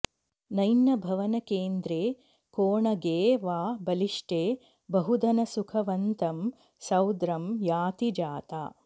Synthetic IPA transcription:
nɐjnɐbʱɐʋɐnɐkeːnd̪ɾeː | koːɳɐɡeːʋaːbɐliʂʈeː | bɐɦud̪ʱɐnɐsukʰɐʋɐnt̪ɐm | sɐwd̪ɾɐmjaːt̪id͡ʒaːt̪a̰ː

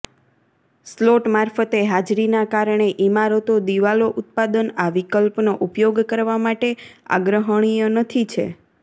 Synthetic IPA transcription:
sloʈmaɾfət̪eɦad͡ʒɾinakaɾɳeʔimaɾot̪od̪iʋaloʔʊt̪̚pad̪ənaʋikəlpnoʔupjoɡkəɾʋamaʈea̰ɡɾəɦəɳ̃ijonət̪ʰit͡ʃʰḛ

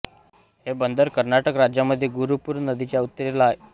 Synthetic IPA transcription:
hebənd̪əɾkəɾnaʈəkɾad͡ʑjaməd̪ʱːjeɡuɾupuɾnəd̪it͡ɕjaut̪ːəɾilae

